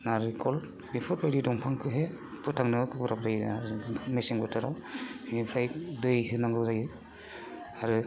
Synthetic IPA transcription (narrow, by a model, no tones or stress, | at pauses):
naɾɯkʰɔl | bipʰɔɾbajɾidɔŋpʰaŋkʰɯɦe | pʰɯtʰːaŋnɯkɯbɾap̚baj | meseŋɡɯtʰɯɾawnipʰɾajdɯjɦɯnaŋɯwzajɯ | aɾɯ